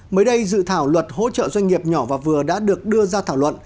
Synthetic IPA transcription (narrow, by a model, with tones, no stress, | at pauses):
məː˨˦jɗə˧jzɨ̰˧˨t̪ʰaː˧˩wlwə˨˩t̚ho̰˧˥t͡ɕə̰ː˧˨zwa˧jŋ̟ŋi˨˩əp̚ɲɔ˧˩vaː˨˩vɨ˨˩əɗa̰ː˧˥ɗɨ˨˩ək̚ɗɨ˧əzaː˧t̪ʰaː˧˩wlwə̰˧˨n